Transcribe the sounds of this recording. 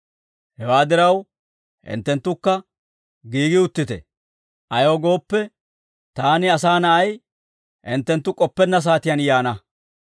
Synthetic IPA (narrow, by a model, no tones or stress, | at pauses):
hɛwaːd̪ɪɾɐw | hɪ̰nt̪ːɛnt̪ːʊkːɐ | ɡiːɡɪʊt̪ːɪt̪ɛ̰ | ʔɐjo̞ːɡo̞ːpːɛ | t̪aːnɪɐsaːnɐʔɐj | ʔɪnt̪ːɛnt̪ːʊkʼɔpːɛnːɐs̬aːt̪ɪjɐnjaːnɐ